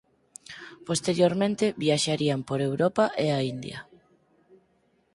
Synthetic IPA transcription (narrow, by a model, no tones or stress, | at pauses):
post̪eɾjoɾmẽnt̪eβiaʃaɾiampoɾewɾopaʔeaind̪jɐ̰